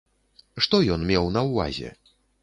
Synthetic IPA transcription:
ʂt̪ɔjɔnmʲɛwnɐwva̰zʲɛ̰

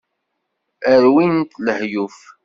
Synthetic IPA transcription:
əɾwint̪ləhjuf

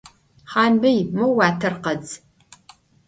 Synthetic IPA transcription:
χɑːnbɐjmɐwwaːtʰɐrqɐd͡z

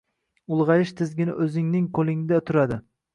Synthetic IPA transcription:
ʊlˠʁɑjɪʃt̪ʰɪzɡʲɪnɪ̰ʔɵzɪŋnɪŋkʰolˠɪŋɪd̪at̪ʰʊɾad̪ɪ

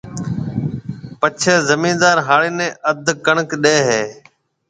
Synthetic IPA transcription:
pət͡ʃʰeːzəmĩːnd̪aːɾɦaːɭeːnẽːʔəd̪ʱkəɳəkɗeːɦeː

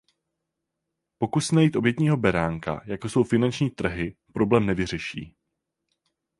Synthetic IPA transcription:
po̞kusnajiːt̪ʔo̞bjɛt̪ɲiːɦo̞bɛɾaːŋka̰jakoso̞wfɪnant͡ʃɲiːt̪r̩ɦɪpɾo̞blɛːmnɛvɪr̝ɛʃḭː

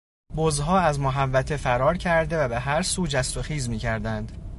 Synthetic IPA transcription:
bozɦɒːæzmoɦævːæt̪ʰe̞fæɾɒːɾcʰæɾd̪e̞væbe̞ɦæɾsuːd͡ʒæst̪oxiːzmiːcʰæɾd̪ænd̪̥

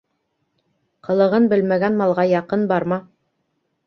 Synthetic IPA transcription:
qɤ̆lˠɤ̆ʁɤnbɘlmæɡænmɑlˠʁɑjɑqɤnbɑɾmɑ

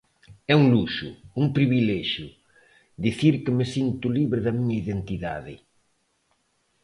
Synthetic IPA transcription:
ɛuŋluʃʊ̰uŋpɾiβilɛʃjʊ | d̪iθiɾkɪmesint̪ʊliβɾɪðɐmiɲɐiðent̪iða̰ðɪ̰

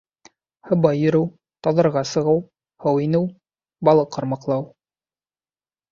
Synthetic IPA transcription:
hɤ̆bɑjɵ̆ɾɘw | t̪ɑðɤ̆ɾʁɑsɤ̆ʁɤw | hɤwinɘw | bɑlˠɤqʰːɤ̆ɾmɑqlˠɑw

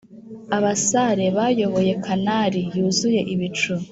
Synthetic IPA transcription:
aβasaɾe̞βajo̞βo̞je̞kʰanaɾijuːzuje̞ʔiβit͡ʃu

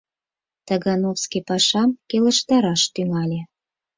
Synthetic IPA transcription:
t̪əɣɑnofskipɑʃɑmkelə̆ʃt̪ɑɾɑʃt̪yŋɑlʲe

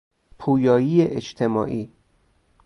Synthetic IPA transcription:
pʰuːjɒːjiːeʔet͡ʃt̪ʰemɒ̰ːʔiː

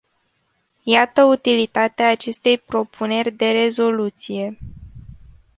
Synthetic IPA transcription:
jat̪əut̪ilit̪at̪eaːt͡ʃe̞st̪e̞jpɾo̞pʰune̞rʲd̪e̞ɾe̞zo̞lut̪sije̞

